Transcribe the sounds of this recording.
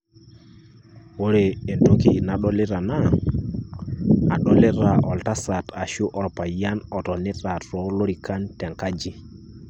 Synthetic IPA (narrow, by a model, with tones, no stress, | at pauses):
wo˦ɾe˨e˨nto˦ki˨na˨ɗɔ˦le˦ɾa˨na˦ | a̰˨ɗɔ˦le˦ɾa˨ʔɔ˨lta˦sa˨ta˨ʃu˦ʔɔ˨ɾpa˨ja˦nɔ˨tɔ˨ni˦ta˨tɾɔ˨˦lo˦ɾi˨ka˦ntɛ˨ŋka˦d͡ʒi˦